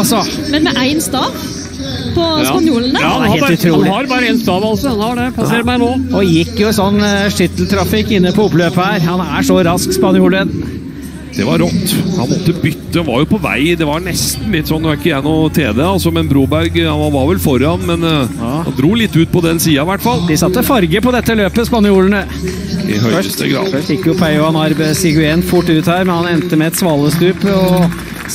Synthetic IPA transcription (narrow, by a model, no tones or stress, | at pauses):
sɔ | mɛnmɛʔæɪnst̪ɑːʋ | pʰɔspɑnjuːlənəɑneːʉt̪ʰɾuːhɑɾbɑːɾəɛnst̪ɑːʋɑlsɔɑnhɑɖɛpʰɑseːɾmæɪnoːɔjɪkːjʊɛsɔnːʂɪt̪lt̪ʰɾɑfɪkːɪnːəpʰɔʊpløːpəhæːɾhɑnæʂɔɾɑskspɑnjuːlən | d̪̥ɛʋɑɾɾɔt̪ːhɑ̰nmɔt̪ːəbʏt̪ːəhɑnʋɑ̰ɾjʊpʰɔʋæ̰ɪd̪ɛʋɑɾɳɛst̪n̩lɪt̪ːsɔnd̪ɛʋɑɾɪkːəjɛnːʊt̪ʰḛːd̪eɑlsɔmɛnbɾuːbæɾɡhɑnɑʋɑɾʋɛlfɔɾɑnmɛnhɑ̰nd̪ɾuːlɪt̪ːʉːt̪̚pʰɔd̪ɛnsiːɑʋæʈːfɑld̪ɪsɑt̪ːəfɑɾɡəpɔd̪ɛt̪ːəløːpəspɑnɪjuːlənə | ɪ̰hœəst̪ə̰ɡɾɑ̰ːɪkːjʊpʰæɪʊɑnɑɾbəsɪɡʊenfʊʈːʉːt̪hæːɾmɛnhɑnɛnt̪əmɛɛt̪sʋɑːləst̪ʉːpɔ